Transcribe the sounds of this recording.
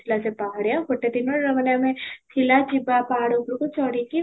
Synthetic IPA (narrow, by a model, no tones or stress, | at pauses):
ɪlasepaːɽjãkʊʈːet̪inoɾɐmənjamẽt͡ʃʰɪlat͡ʃɪbapaːɽukɾkot͡ʃɔːɽiki